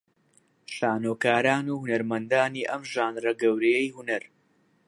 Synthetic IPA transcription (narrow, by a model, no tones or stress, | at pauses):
ʃaːnoːkaːɾaːnuːhunɐɾmɐnd̪aːniːʔɐmʒaːnrɐɡɐwɾejejhunɐɾ